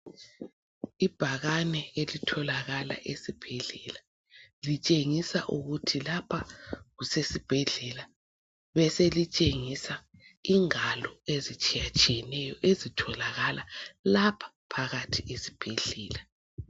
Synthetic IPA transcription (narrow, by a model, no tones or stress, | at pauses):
ib̥ʱaɣanɛelitʰɔlaɣala̰ʔesib̥ʱɛɮɛla | lit͡ʃʼeŋisaʔuɣutʰilapʰaɣusesib̥ʱɛɮɛla | βɛselit͡ʃʼeŋisa | iŋalɔezit͡ʃʼijat͡ʃʼijɛnɛjɔʔezitʰɔlaɣalalapʰḁpʰaɣatʰiesi̥b̥ʱeɮɛːla